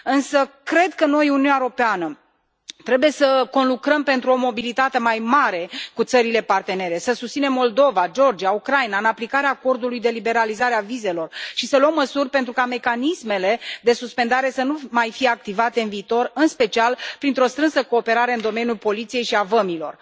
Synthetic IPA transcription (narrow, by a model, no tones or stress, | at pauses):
ɨnsəkɾe̞d̪kəno̞jununʲaeɾo̞peanə | t̪ɾe̞buje̞səko̞nlukɾəmpe̞nt̪ɾuo̞mo̞bilit̪at̪e̞majmaɾe̞kut̪səɾile̞part̪e̞ne̞ɾe̞səsust̪sine̞mːo̞ld̪o̞vad͡ʒo̞rd͡ʒiaukɾajnaɨnaplikaɾeaːko̞rd̪ulujd̪e̞libe̞ɾalizaɾeavize̞lo̞rʃisəlwəmːəsurʲpent̪ɾukame̞kanisme̞le̞d̪e̞suspe̞nd̪aɾe̞sənumajfije̞ak̚t̪ivat̪e̞ɨnviːt̪o̞rɨnspe̞t͡ʃialpɾint̪ɾo̞st̪ɾɨnsəko̞ːpe̞ɾaɾe̞ɨnd̪o̞me̞njulpo̞lit̪sije̞jʃiavəmilo̞̰r